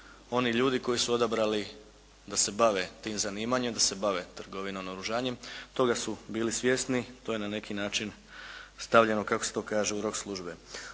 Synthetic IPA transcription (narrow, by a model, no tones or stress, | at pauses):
o̞niʎuːd̪iko̞jisuo̞d̪abɾali | d̪ase̞baʋe̞t̪iːmzaniːmaɲemd̪ase̞baʋe̞t̪r̩ɡo̞ʋinonoɾuʒaːɲe̞mt̪o̞ɡasubiːlisʋje̞st̪nit̪ojenane̞kinaːt͡ʃin | st̪aʋʎe̞no̞kakoset̪o̞ːkaːʒeuɾo̞kslˠuʒbe